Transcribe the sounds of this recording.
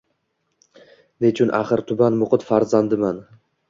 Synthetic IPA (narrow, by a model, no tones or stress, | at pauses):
net͡ʃʰʊnʔa̰χɨɾt̪ʰʊbanmʊqʊt̪faɾzand̪ɪman